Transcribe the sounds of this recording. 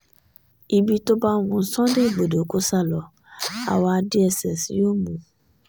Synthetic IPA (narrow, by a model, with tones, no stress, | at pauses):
i˨bi˨to˦ba˦ŋʊ̃˨n̩˨˦sɔ̃˦dɪ˦˨ɡ͡bo˨do˨ko˦sa˦lɔ˨ | a̰˨wɔ˦a˨dɪ˦ɛ˨sɛ˨sjo˦mũ˨